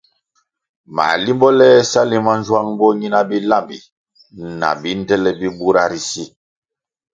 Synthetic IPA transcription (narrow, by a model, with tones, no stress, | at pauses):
ma̰˨li˦mbɔ˦lɛ˦sa˦li˦ma˦n˦zwa˦ŋbɔ˦ɲi˦na˦bi˦la˦˨mbḭ˨ | na̰˨bi˨˦n˦dɛ˦lɛ˦bi˦bu˦ɾa˦ɾi˦si˦